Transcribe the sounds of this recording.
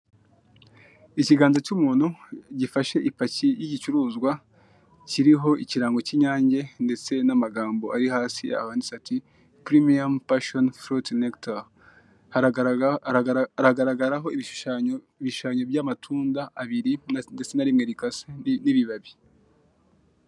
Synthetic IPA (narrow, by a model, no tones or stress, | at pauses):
iciɡaːnzacumuːn̥huɟifaʃe̞ʔipacijiɟit͡ʃuɾuːzɡwa | ciɾiɦo̞iciɾaːŋɡo̞ciɲaːɲɟe̞nde̞t͡se̞namaɡaːmbo̞ʔaɾihaːsḭa̰haːndisati | pɾimiampaʃonfɾotnekta | ɾaɡaɾaɡaɾaɦo̞iβi̥a | iβiʃuʃaɲobjamatʰuːndaʔːβiɾinde̞t͡se̞naɾimŋe̞ɾikaseniβiβaβi